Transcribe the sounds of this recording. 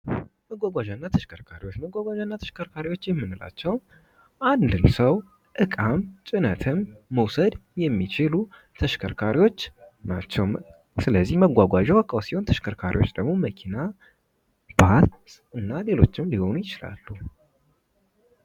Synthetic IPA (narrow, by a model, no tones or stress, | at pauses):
məɡʷaɡʷaʒanːat̪ʰəʃkʰəɾkʰaɾiwot͡ʃːməɡʷaɡʷaʒanːat̪ʰə̥ʃkʰəɾkʰaɾiwo̞t͡ʃːjɛmːɨnɨla̰t͡ʃːɛw | ʔand̪ɨnsəw | ʔɨkʼamt͡ʃʼɪnət̪ʰɨmːəwsəd̪jɛmːit͡ʃɪlu | t̪ʰəʃkʰəɾkʰaɾiwo̞t͡ʃːnat͡ʃːɛw | sɨləzːihməɡʷaɡʷaʒɛwəkʼːawsiho̞nt̪ʰəʃkʰəɾkʰaɾʔḭwo̞t͡ʃːd̪əɡmo̞məkʰina | bat̪ | ɨnːale̞lo̞̰t͡ʃːɪmliho̞nujɪt͡ʃɪla̰lːu